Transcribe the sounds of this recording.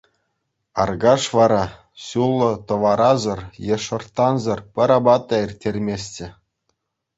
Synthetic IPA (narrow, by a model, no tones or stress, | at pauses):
ɑrɡɑʂʋɑɾɑ | ɕulˠːɤ̆t̪ɤ̆ʋɑɾɑzɤ̆rjeʂɤ̆rt̪ːɑnzɤ̆rpʲɘ̆ɾɑbɑt̪ːɑirʲtʲːerʲmʲesʲtʲɘ̆